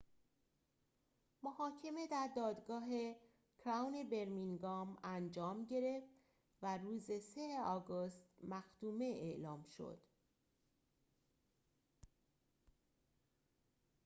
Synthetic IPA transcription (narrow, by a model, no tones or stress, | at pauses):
mohɒːcʰe̞me̞d̪æɾd̪ɒːd̪ɡɒːɦe̞ | kʰɾæwne̞be̞ɾmiŋɡɒːmænd͡ʒɒːmɟe̞ɾe̞ft̪ | væruːzeseeɒːɡost̪mæxt̪uːme̞ʔeʔlɒːmʃo̞̰d̪̥